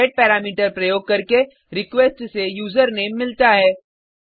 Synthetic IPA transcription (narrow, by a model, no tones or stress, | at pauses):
ɪʈ̚pɛːɾaːmiːʈəɾpɾɐjoːɡ̚kɐɾke | ɾɪkʋeːsʈsejuːzəɾneːmːɪlt̪aɦɛː